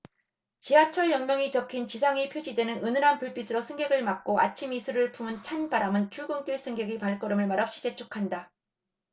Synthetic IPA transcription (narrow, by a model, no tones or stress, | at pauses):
t͡ɕiat͡ɕʰʌɭjʌŋmjʌŋit͡ɕʌkʰint͡ɕisʰaŋipʰjod͡ʑidwe̞nɯnɯnɯɾanpɯɭp͈isʰɯɾosʰɯŋɡeɡɯɭmak̚k͈oa̰t͡ɕʰimisʰuɾɯɭpumɯnt͡ɕʰanbaɾamɯnt͡ɕʰuɭɡoŋk͈iɭs͈ʰɯŋɡeɡipaɭk͈ʌɾɯmɯɭmaɾap̚ɕ͈i̥t͡ɕe̞t͡ɕʰukʰanda